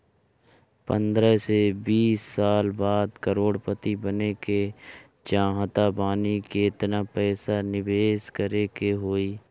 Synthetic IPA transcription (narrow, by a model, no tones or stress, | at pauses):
pə̰̃nd̪ɾəsebiːsːaːlbaːd̪kəɾoːɽpət̪ibəneke | d͡ʒãːɦət̪aːbaːnikeɪt̪napɛːsanɪbeːskəɾekeɦoːiː